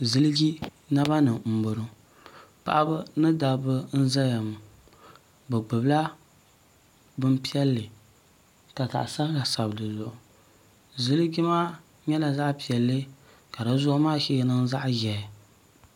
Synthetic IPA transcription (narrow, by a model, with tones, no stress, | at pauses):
zɨ˦lɨ˦ɡi˦ | na˦ba˦nɨ˨m̩˨bʊ˨ɾɨ˦ | pa̰˨ʔa˦bɨ˦nɨ˦da˨bɨ˦n̩˦za˦ja˨m˨ | bɛ˨ɡ͡bɨ˨bla˦ | bɨ˦m˦pi˦ɛ˦lːɨ˨ | ka˨ta̰˨ʔsa˦ka˨sa˨bdɨ˨zʊ˨ʔʊ˨ | zɨ˦lɨ˦ɡi˦maː˦ | ɲɛ˦la˨za˦ʔpi˨ɛ˨lːɨ˦ | ka˨ɾa˨zʊ˦ʔmaː˦ʃɛ˦jɛ˦nɨ˦ŋza˦ʔjɛ˨